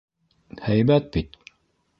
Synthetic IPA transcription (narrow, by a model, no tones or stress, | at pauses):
hæjbæt̪̚bit̪